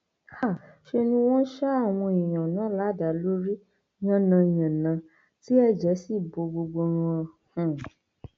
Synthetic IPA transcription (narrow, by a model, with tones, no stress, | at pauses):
a˦˨ʃe˧nũ˧˦w̃ɔ̃˦n˦ʃa˦a˦˨w̃ɔ̃˧ĩ˨j̃ã˨nã˨˦la˨˦˨da˨˦lo˦ɾi˦ | ɲã˦nã˧˨j̃ã˨nã˨˧ | ti˦ɛ˦˨d͡ʒɛ˨˦si˦˨bo˧ɡ͡bo˧ɡ͡bo˧ɾ̃ũ˧ɔ˧hũ˨